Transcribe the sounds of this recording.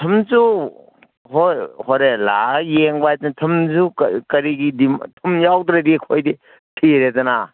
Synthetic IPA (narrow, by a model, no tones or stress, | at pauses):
tʰɐmzu | ɦojhɔɾelajeŋbajdantʰɐmzṵkɐɾiɡidimtʰumjawdɾaɾikʰojdi | tʰiɾezana